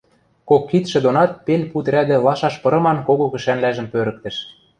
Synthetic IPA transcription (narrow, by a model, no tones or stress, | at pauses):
kokːit̪ʃĕd̪onɑt̪̚penʲput̪rʲæd̪ĕlɑʃɑʃpɤ̆ɾɤ̆mɑnkoɣokɘ̆ʃænlæʒɘ̆mpøɾə̆k̚t̪ɘ̆ʃ